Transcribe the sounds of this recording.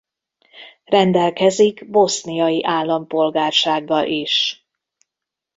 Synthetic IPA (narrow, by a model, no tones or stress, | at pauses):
rɛnd̪ɛlkɛziɡbo̞snijɒjiʔaːlːɒmpo̞lɡaːrʃaːɡːɒlʔiʃ